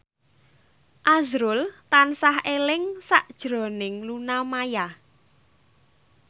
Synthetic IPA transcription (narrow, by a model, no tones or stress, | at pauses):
ʔazɾʊlt̪ansahelɪŋsaʔd̥ʒ̥ɾɔ̤nɪŋlunamaja